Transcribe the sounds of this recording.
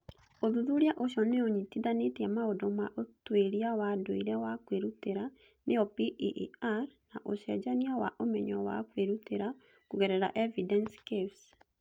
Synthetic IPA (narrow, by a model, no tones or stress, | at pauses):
oðuðuɾjaʔoʃɔneoɲitiðanetiamaodomaʔotweɾiawadoiɾɛwakweɾuteɾa | nʔeɔpiʔaɾnaʔoʃɛd͡ʒaniawaʔomɛɲɔwa̰kweɾuteɾa | kuɣɛɾɛɾaʔɛvidɛnskeps